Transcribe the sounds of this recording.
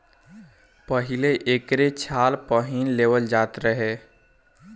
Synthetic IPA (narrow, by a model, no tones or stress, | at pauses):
pəɦɪleʔeːkɾet͡ʃʰaːlpəɦinleːwəld͡ʒaːt̪ɾəɦeː